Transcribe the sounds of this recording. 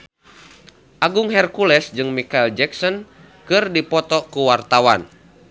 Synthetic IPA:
ʔaɡuŋɦɛrkulɛsd͡ʒɨŋmikaild͡ʒɛksɔn | kɨrdipɔt̪ɔkuwart̪awan

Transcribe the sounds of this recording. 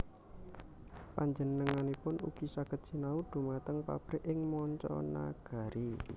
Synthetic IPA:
paɲd͡ʒənəŋanipʊnṵɡ̥isaɡ̥ət̪̚t͡ʃinaud̪̥ṳmat̪əŋpa̰b̥ɾɪʔɪŋmɔɲt͡ʃɔ̰na̰ɡ̥a̤ɾi

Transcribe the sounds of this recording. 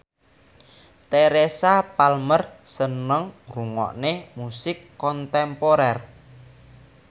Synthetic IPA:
t̪eɾesapalmərsənəŋruŋɔ̰ʔnemusɪkːɔnt̪ɛmpoɾɛr

